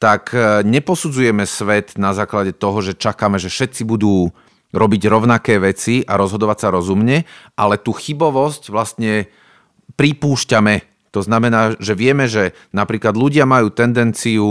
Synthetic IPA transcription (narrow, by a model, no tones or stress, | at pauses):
t̪akɲɛpɔsud͡zujɛmɛsʋɛt̪nazaːklaɟɛt̪ɔɦɔʒɛt͡ʃakamɛʒɛfʃɛt̪t͡sibud̪uː | ɾɔbiɟɾɔʊnakɛːʋɛt͡siaɾɔzɦɔd̪ɔʋacsaɾɔzumɲɛʔalɛt̪uːxibɔʋɔscʋlast̪ɲɛ | pɾipuːʃcamɛ | t̪ɔznamɛnaːʒɛʋɪɛmɛʒɛ | napɾiːklad̪ʎuɟɪamajuːt̪ɛnd̪ɛnt͡siu